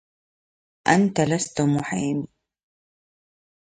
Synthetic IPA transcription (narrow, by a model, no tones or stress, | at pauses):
ʔant̪alast̪ʊmʊħajmi